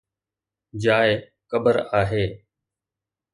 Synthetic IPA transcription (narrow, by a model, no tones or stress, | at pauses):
d͡ʒaːɪ | kəbəɾaːɦeː